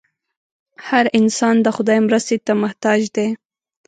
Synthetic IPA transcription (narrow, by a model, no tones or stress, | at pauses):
haɾɪnsɑnd̪əxʊd̪ɑjmɾəst̪et̪amaht̪ɑd͡ʒd̪e